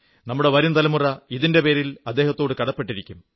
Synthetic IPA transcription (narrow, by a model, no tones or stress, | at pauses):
nɐmːuɽe̞ʋɐɾunt̪ɐlɐmurɐiðinde̞pe̞ːɾilɐd̪ːeːhɐt̪ːo̞ːɽɨkɐɽɐpːe̞ʈːiɾikʲːum